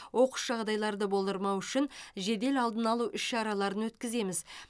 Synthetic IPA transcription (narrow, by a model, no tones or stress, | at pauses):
wʔo̞qə̥sʒ̥ɑʁd̪ɑjlˠɑɾd̪əbo̞lˠd̪əɾmɑwʏʃɪnʒe̞d̪e̞lɑlˠd̪ənɑlˠuʔʏʃʃɑɾɑlˠɑɾənwɵt̪kʲɪze̞mɪz